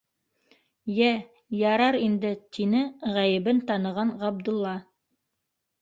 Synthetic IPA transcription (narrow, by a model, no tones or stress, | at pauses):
jæ | jɑɾɑɾind̪ɘt̪inɘʁæjɘ̆βɘnt̪ɑnɤ̆ʁɑnʁɑb̚d̪ŭlˠːɑ